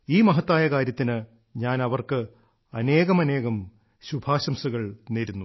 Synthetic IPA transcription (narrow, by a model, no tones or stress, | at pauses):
iːmɐɦɐt̪ːaːjɐkaːɾjɐt̪ːinɨ | ɲaːnɐʋɐrkɨ | ɐne̞ːɣɐmɐne̞ːɣɐm | ɕubʱaːɕɐmsuɣɐɭneɾunːu